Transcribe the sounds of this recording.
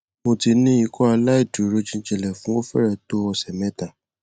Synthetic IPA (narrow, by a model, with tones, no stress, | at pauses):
mo˧ti˧nĩ˦i˦˧kɔ˦a˧la˦i˦˨du˨ɾo˨˦d͡ʒĩ˦d͡ʒɛ˨lɛ˨fũ˨˦wo˦fɛ̰˦ɾɛ˨to˦ɔ˧sɛ˨mɛ̃˦ta˨